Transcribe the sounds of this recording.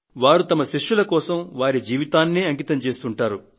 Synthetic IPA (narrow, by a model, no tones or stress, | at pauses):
ʋaːɾut̪ɐmɐʃiʂjulɐkɔːsɐmʋaːɾid͡ʒiːʋit̪aːnːiɐŋkit̪ɐmt͡ʃe̞ːst̪uɳʈaːɾu